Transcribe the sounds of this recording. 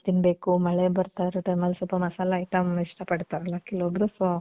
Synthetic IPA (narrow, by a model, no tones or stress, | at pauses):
t̪inbe̞ːkumɐɭebɐɾt̪aːɾeʈɐjmɐlsɔlpɐmɐsaːlaijʈɐmiʂʈɐpɐɽt̪aːɾlakiloːd̪ɾuso